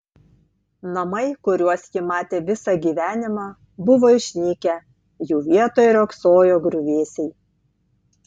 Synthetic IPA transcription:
nɐmɐɪkʊɾʲuɔsjɪmɑːt̪ʲeːʋʲɪsɑɡʲiːʋʲæːnʲɪmɑː | bʊʋoːɪʃʲnʲiːkʲɛ | juːʋʲiɛt̪oːjɪɾoːksoːjoːɡɾʲʊʋʲeːsʲɛɪ

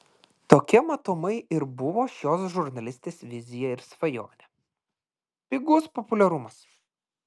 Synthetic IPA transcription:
t̪oːkʲɛmɐt̪oːmɐɪʔɪɾbʊʋoːʃʲoːs̬ʒʊɾnɐlʲɪsʲt̪ʲeːsʋʲɪzʲɪjɛɪɾsʋɐjo̰ːnʲɛ | pʲɪɡʊspɔpʊlʲɛɾʊmɐs

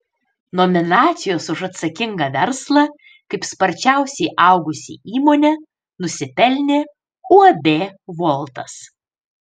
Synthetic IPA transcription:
noːmʲɪnɑːt̪sʲɪjoːsʊʃɐt̪sɐkʲɪŋɡɐʋʲɛɾslˠɑ | kɐɪpspɐɾʲt͡ʃʲæˑʊsʲɛɪʔɐʊɡʊsʲḭʔiːmoːnʲɛ | nʊsʲɪpʲɛlʲnʲeː | oːɐbʲeːʋoːlˠt̪ɐs

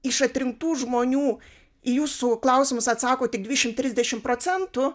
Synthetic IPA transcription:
ɪʃɐt̪ʲɾʲɪŋk̚t̪uːʒmoːnʲuː | ɪjuːsʊklˠɐʊsʲɪmʊsɐt̪sɑːkoːt̪ʲɪɡ̚d̪ʋʲɪʃʲɪmt̪ʲɾʲɪzʲdʲɛʃʲɪmpɾoːsʲɛnt̪ʊ

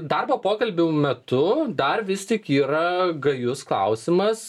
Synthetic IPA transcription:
d̪ɐrboːpoːkʲɛlʲbʲʊːmʲɛt̪ʊd̪ɐrʋʲɪst̪ʲɪkiːɾɐɡɐjʊsklˠɐʊsʲɪmɐs

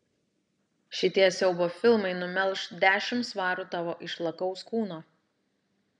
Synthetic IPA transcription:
ʃʲɪt̪ʲiɛsʲɛʊboːfʲɪlˠmɐɪnʊmʲɛlˠʃd̪ʲæːʃʲɪmt̪sʋɑːɾʊt̪ɑːʋoːʔɪʃlˠɐkɔʊskuːnoː

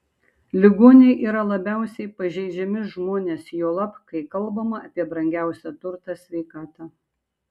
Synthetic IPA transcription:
lʲɪɡoːnʲɛɪʔiːɾɐlˠɐbʲæˑʊsʲɛɪpɐʒʲɛɪd͡ʒʲɛmʲɪʒmoːnʲeːsjoːlˠɐpkɐɪkɐlˠbɐmɐɐpʲiɛbɾɐŋʲɡʲæˑʊsʲɛt̪ʊɾt̪ɑːsʲʋʲɛɪkɑːt̪ɑː

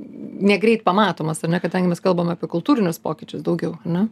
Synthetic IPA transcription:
nʲɛɡɾʲɛɪt̪pɐmɑːt̪oːmɐsɐnʲɛkɐt̪d̪ʲɛnʲɡʲɪmʲɛskɐlˠbɐmɑːpʲiɛkʊlˠt̪uːɾʲɪnʲʊspoːkʲɪt͡ʃʲʊsd̪ɐʊɡʲɛʊɐnʲɛ

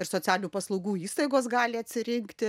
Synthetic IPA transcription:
ɪɾsoːsʲæːlʲnʲuːpɐslˠɐʊɡuːiːst̪ɐɪɡoːsɡɑːlʲɪɐt̪ʲsʲɪɾʲɪŋkt̪ʲɪ

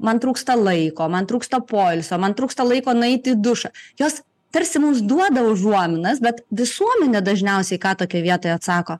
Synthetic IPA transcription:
mɐnt̪ɾuːkst̪ɐlˠɐɪkoːmɐnt̪ɾuːkst̪ɐpoːɪlʲsʲoːmɐnt̪ɾuːkst̪ɐlˠɐɪkoːnʊɛɪt̪ʲid̪ʊʃɐjoːs | t̪ɐɾʲsʲɪmʊmsd̪uɔd̪ɐʋʊʒuɔmʲɪnɐsbʲɛt̪ʋʲɪsuɔmʲɛnʲɛd̪ɐʒʲnʲɛʊsʲɛɪkɑːt̪oːkʲɛʋʲiɛt̪oːjɐt̪sɑːkoː

